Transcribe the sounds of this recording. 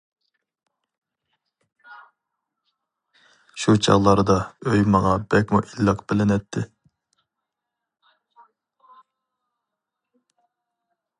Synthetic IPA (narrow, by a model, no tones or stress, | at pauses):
ʃut͡ʃʰɑ̰ʁlˠɑɾd̪ɑøjmɑʁɑbɛkʲmṵʔilːəqbɪlɪnɛt̪ʰːɪ